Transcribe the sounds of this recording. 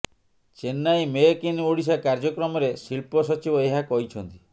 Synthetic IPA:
t͡ʃenːajmekinoɽis̬akaɾd͡ʒɔkɾɔmɔɾesilpɔsɔt͡ʃibɔeɦakɔɦit͡ʃʰɔnt̪i̥

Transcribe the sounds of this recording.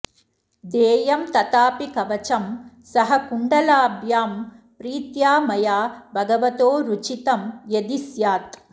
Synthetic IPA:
d̪ɛːjɐmt̪ɐt̪aːpikɐʋɐt͡ʃɐm | sɐɦɐkuɳɖɐlaːbʱjaːm | pɾiːt̪jaːmɐjaːbʱɐɡɐʋɐt̪oːɾut͡ʃit̪ɐmjɐd̪isjaːt̪

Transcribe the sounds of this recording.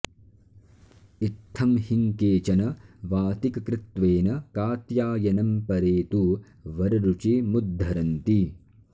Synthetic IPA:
it̪ʰːɐmhiŋkeːt͡ʃɐnɐʋaːt̪ikɐkɾɪt̪ʋeːnɐkaːt̪jaːjɐnɐmpɐɾeːt̪u | ʋɐɾɐɾut͡ʃimud̪ʱːɐɾɐnt̪i

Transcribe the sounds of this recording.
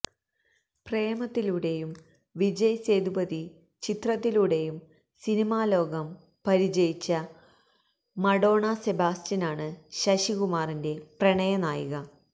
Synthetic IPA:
preːmɐt̪ːiluɽe̞jum | ʋid͡ʑɐjse̞ːd̪ubɐði | t͡ɕit̪rɐt̪ːiluɽe̞jum | sinimaːlo̞ːɡɐm | pɐɾid͡ʑɐjit͡ɕːɐ | mɐɽo̞ːɳɐse̞baːstinaːɳɨɕɐɕiɣumaːrinde̞prɐɳɐjɐnaːjiɣɐ

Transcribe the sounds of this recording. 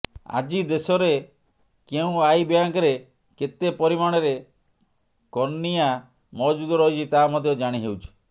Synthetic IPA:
a̰d͡ʒid̪esɔɾe | keũajbjaŋkɾe | ket̪epɔɾimaɽ̃ɔɾe | kɔnːija | mɔd͡ʒud̪ɔɾɔɦit͡ʃʰit̪aɦːmɔd̪ʱjɔd͡ʒaɽ̃iɦewt͡ʃʰi̥

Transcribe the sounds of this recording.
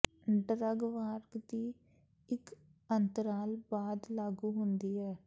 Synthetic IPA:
ɖəɾəɡʋaːɾɡd̪iː | ɪk | ənt̪əɾaːlbaːd̪laːɡuːɦʊnd̪iːɛː

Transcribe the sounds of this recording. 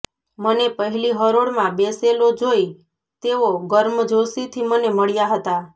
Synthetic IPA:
mənepəɦɛliɦəɾoɽmãbeselod͡ʒoi | t̪eʋoɡəɾməd͡ʒosit̪ʰiməneməɭjaɦət̪a

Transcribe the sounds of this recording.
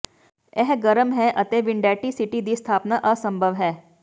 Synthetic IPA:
eɦɡəɾəmɦɛʔɐt̪eʋɪɳɖæʈisiʈid̪iːst̪ʰaːpnaʔəsəmbʱəʋɦɛː

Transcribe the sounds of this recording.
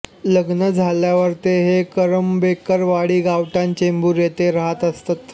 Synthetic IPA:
ləɡnəd͡zʱaljaʋəɾt̪eɦekəɾəmbekəɾʋaɽiːɡaʋʈãnt͡ɕembuːɾjet̪eɾəɦat̪əst̪at̪

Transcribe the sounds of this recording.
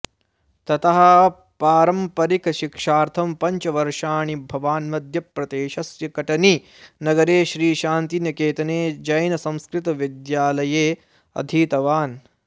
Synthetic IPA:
t̪ɐt̪ɐɦɐ | paːɾɐmpɐɾikɐʃikʂaːɾt̪ʰɐmpɐɲt͡ʃɐʋɐɾʂaːɳibʱɐʋaːnmɐd̪ʱjɐpɾɐt̪eːʃɐsjɐkɐʈɐni | nɐɡɐɾeːʃɾiːʃaːnt̪injɐkeːt̪ɐneːd͡ʒɐjnɐsɐ̃mskɾɪt̪ɐʋid̪jaːlɐjeː | ɐ̰d̪ʱiːt̪ɐʋaːn

